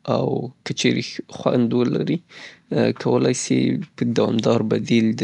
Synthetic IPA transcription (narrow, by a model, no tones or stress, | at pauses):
awkət͡ʃeɾexwand̪wəlaɾi | kʰawəlajsepəd̪awɑmd̪ɑɾbad̪ild̪